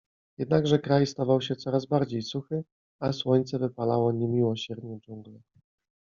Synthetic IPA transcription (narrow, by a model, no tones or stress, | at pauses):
jɛd̪naɡʐɛkɾajst̪avawɕɛt̪sɔɾazbaɾd͡ʑejsuxɘ | aswɔɲt̪sɛvɘpalawɔɲemʲiwɔɕɛɾd̪ɲɛd͡ʒuŋɡlɛ